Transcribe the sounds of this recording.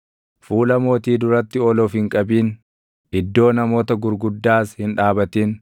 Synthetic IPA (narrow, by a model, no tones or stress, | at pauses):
fuːlɐmo̞ːt̪iːd̪ʊɾɐt̪ːɪɔlɔːfhɪŋkʼɐbiːn | ʔɪd̪ːo̞ːnɐmo̞ːt̪ɐɡʊɾɡʊd̪ːaːshɪnᶑaːbɐt̪iːn